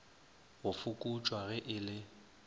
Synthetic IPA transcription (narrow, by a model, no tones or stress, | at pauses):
ɣʊfʊkʼut͡ʃʼwaɣɛʔɪlɪ